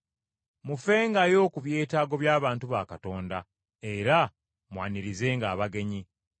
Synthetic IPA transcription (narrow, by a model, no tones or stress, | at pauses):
mufe̞ːŋɡajo̞ːkuβje̞ːtaːɡo̞βjaːβaːntuβaːkato̞ːnda | e̞ɾa | mwaːniɾize̞ːŋɡaːβaɡe̞ɲi